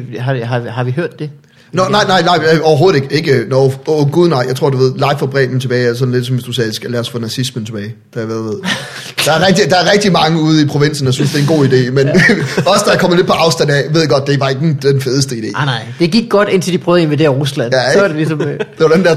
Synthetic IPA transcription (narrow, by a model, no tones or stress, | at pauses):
ɦɑhɑhɑ̈ʋiɦøɐ̰d̥ːe | nɒnɑ̈ɪ̰nɑ̈ɪ̰nɑ̈ɪ̰jɒʊɐɦoːð̩ˠeɡ̥əe̝ɡ̥ənɒoɡ̥uð̞ˠnɑ̈ɪ̰jɑ̈ɪt͡sʰo̝ɐ̰d̥uʋe̝ð̰ˠlɑ̈ɪfɒb̥ʁɛ̰ːb̥n̩t͡sʰe̝b̥ɛːæsɒ̽dn̩le̝d̥sɒ̽mʋesd̥usɛːsɡ̥ælæɐsfɔnæsismən̩t͡sʰe̝b̥ɛːɪd̥æʋæʋe̝ð̰ˠ | d̥ɑæɐʁɛɡ̥d̥id̥ɑ̈æɐʁɛɡ̥̚d̥imɑ̈ŋəuːð̞ˠipʰʁo̝ʋe̝n̰sn̩jɑɪsynsd̥e̝ɐnɡo̝̰ːide̝̰ːmenɒ̽səd̥ɑɑ̈kʰɒ̽m̰̩ˠle̝̥pʰɒ̽ʔɑ̈ʊsd̥ænæjʋeðˠɡ̥ɒ̽d̥̚d̥e̝ʋɑ̈e̝ɡ̥d̥enfeːð̞ˠəsd̥əid̥e̝̰ːnɑɪd̥e̝ɡ̥iɡ̥̚ɡ̥ɒd̥en̰t͡sʰe̝ld̥ipʰʁœːð̩ˠienʋid̥e̝ːɐʁuslænjædelisɒ̽md̥e̝ʋɑdend̥æɐ̰